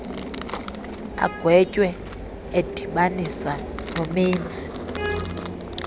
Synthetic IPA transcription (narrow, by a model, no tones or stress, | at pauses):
a̰ɡ̥ʱwɛcʼwɛ | ed̥ʱiɓanisa | nomiːnd͡zʱi̥